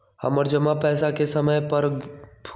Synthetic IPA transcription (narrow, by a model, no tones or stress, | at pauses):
həməɾd͡ʒəmapɛːsakesəməjpəɾpʰ